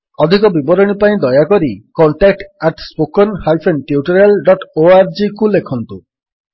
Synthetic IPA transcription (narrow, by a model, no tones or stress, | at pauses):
ɔd̪ʱikɔbibɔɾɔɽ̃ipaĩd̪ɔjakɔɾikɔɳʈak̚ʈaʈspokɔnhajpʰenʈiuʈɔɾelɖɔʈoaɾd͡ʒikulekʰɔnt̪u